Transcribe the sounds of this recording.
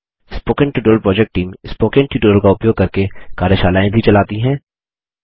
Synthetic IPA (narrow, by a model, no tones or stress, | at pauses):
ɪspoːkənʈuːʈoəlpɾɔːd͡ʒɛk̚ʈːiːmspoːkə̃nʈiʈoːɾəlkaʊpjoːɡ̚kɐɾkekaːɾjəʃaːlaːẽbʱit͡ʃɐlaːt̪iɦɛ̃ː